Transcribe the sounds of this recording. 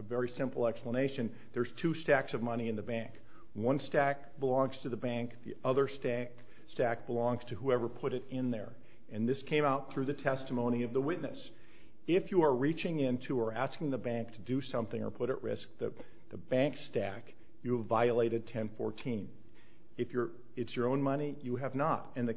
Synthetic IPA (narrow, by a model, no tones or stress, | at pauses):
əvɛɹisɪ̃mpl̩ˠɛkspləneɪʃɨ̃n | ðə˞z̥tʰʉstæksʌvmʌñiɨ̃nðɨbæ̃ŋk | wʌ̃nstæk̚b̥əlɔ̃ŋz̥tʰɨðɨbæ̃ŋk̚ðḭʔʌðə˞stæk | stæk̚b̥əlɔ̃ŋz̥tʰɨɦuɛvə˞pʰʊɾɨɾɪ̃nðə̰˞ | ɨ̃nðɪskʰẽɪ̃maʊt̪̚θɹʉðɨtʰɛstəmõʊ̃ñiʌvðəwɪtⁿnɨ̰s | ɪfjɨə˞ɹit͡ʃɪ̃ŋɪ̃ntʰuə˞æskɪ̃ŋðəbæ̃ŋk̚tʰɨdɨsʌ̃mθɪ̃ŋə̰˞pʰʊɾɨ̰ʔɹɪ̰sk̚ðɨ̰ | ðɨbæ̃ŋkstæk | jɨvaɪəleɪɾɨd̚tʰɛ̃nfɔ̰ɹtʰĩn | ɨfjə˞ | ɨtsjə˞õʊ̃nmʌñijɨɨvnəɾɨ̃nðɨ